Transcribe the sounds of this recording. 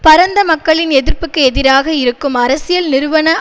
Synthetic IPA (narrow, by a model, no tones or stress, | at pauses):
pɐɾɐnd̪ɐmɐkːɐɭɪnɛðɪɾpɯkːɯɛðɪɾaːɣɐɪɾɯkːɯmɐɾɐsɪjɐlnɪɾɯʋɐnɐ